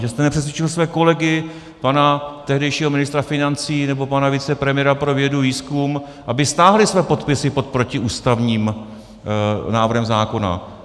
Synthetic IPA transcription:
ʒɛst̪ɛnɛpr̥ɛs̬vʲjɛt͡ʃɪlsvɛːko̞lɛɡɪ | panat̪ɛɦdɛjʃiːɦomɪnɪst̪ɾafɪnant͡siːnɛbo̞panavit͡sɛpɾɛmɪjɛɾapɾo̞vjɛduviːskum | ʔabɪst̪aːɦlɪsvɛːpo̞t̪pɪsɪpo̞t̪̚pɾo̞cɪʔuːst̪avɲiːm | naːvr̩ɦɛmzaːko̞na̰

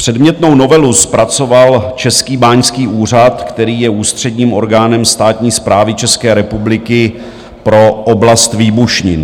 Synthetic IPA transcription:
pr̝̥ɛdmɲɛt̪no̞wno̞vɛluspɾat͡so̞valt͡ʃɛskiːbaːɲskiːʔuːr̝at̪kt̪ɛɾiːjɛuːst̪r̝̥ɛdɲiːmʔo̞ɾɡaːnɛmst̪aːt̪ɲiːspɾaːvɪt͡ʃɛskɛːɾɛpublɪkɪ | pɾo̞ʔoblast̪viːbuʃɲɪn

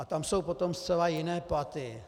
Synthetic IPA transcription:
at̪amsowpot̪omst͡sɛlajɪnɛːpat̪ɪ

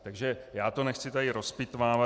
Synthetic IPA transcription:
t̪aɡʒɛjaːt̪onɛxt͡sɪt̪adɪɾospɪt̪vaːva

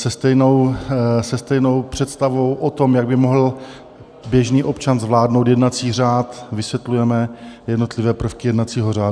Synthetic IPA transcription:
sɛst̪ɛjno̞wsɛst̪ɛjno̞wpr̥ɛt̪st̪avo̞wʔot̪o̞mjaɡbɪmoɦl̩ | bjɛʒniːʔo̞pt͡ʃanzvlaːdnowt̪jɛdnat͡siːr̝aːt̪vɪsvjɛt̪lujɛmɛjɛdno̞t̪lɪvɛːpr̩fkɪjɛdnat͡siːɦo̞raː

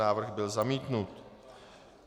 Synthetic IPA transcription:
aːvr̩ɣbɪlzamiːt̪nut̪

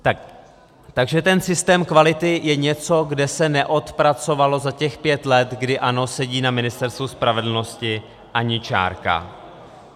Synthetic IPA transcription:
t̪a | t̪aɡʒɛt̪ɛnsɪst̪ɛːmkvalɪt̪ɪjɛɲɛt͡so̞ɡdɛsɛnɛʔo̞t̪pɾat͡so̞valo̞zacɛxpjɛt̪lɛt̪ɡdɪʔano̞sɛɟiːnamɪnɪst̪ɛɾst̪vuspɾavɛdl̩no̞scɪ | ʔaɲɪt͡ʃa̰ːɾka̰

